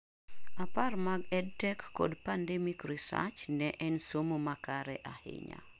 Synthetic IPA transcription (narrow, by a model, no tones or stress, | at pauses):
aparmaɡɛd̚tɛkːɔ̰dpandɛmikrisa̰t͡ʃnɛʔɛnsomomakaɾɛʔahɪ̰ɲa̰